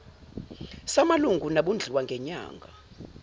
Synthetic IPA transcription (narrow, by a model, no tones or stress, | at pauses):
samaluŋɡʱunaɓund͡ɮʱiwaŋɡʱɛɲa̰ːŋɡʱa